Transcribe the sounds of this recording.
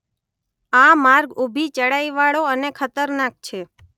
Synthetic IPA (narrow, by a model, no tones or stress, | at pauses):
amaɾɡubʱit͡ʃəɽajʋaɭoənekʰət̪əɾnak̚t͡ʃʰe